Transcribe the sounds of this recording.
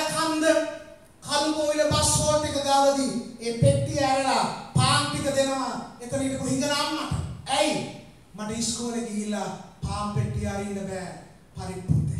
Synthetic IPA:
ɐkʰɐnd̪ə | kʰɐlukoːʋilɐpɐsoːʈːekɐɡ̪aʋɐd̪ieːpeʈːijaːɾɐlɐpaːmpit̪ɐd̪enɐʋaek̪ɐɾiːʈɐkuɦiŋɡɐnaːmːaʈɐ̰ɛj | mɐʈɐiskoːleɡijilːɐpaːmpeʈːijaːɾiɳɖɐbɛː | pɐɾipːṵt̪ḛ

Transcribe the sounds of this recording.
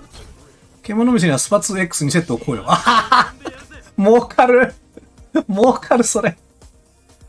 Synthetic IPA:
kemːonomʲis̬ɕiɲ̟iβasɨ̥pat͡sɨe̞kːɯ̥sɨɲ̟is̬e̞t̪ːoːkʰoːjoa | moːkʰaɾɯ̟ | moːkʰaɾɯ̟so̞ɾe

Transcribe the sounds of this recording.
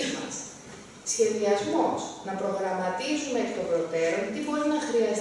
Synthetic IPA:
mɐ̰s | sçe̞ðiɐzmosnɐpɾo̞ɣɾɐmɐt̪izumekit̪o̞bɾo̞t̪e̞ɾont̪ibo̞ɾinɐxɾiɐs

